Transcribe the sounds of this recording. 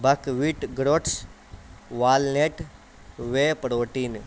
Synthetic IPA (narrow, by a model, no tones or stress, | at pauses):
bʱɐkʋiʈɡɾoːʈs | ʋaːlneːʈ | ʋeːpɾoːʈiːn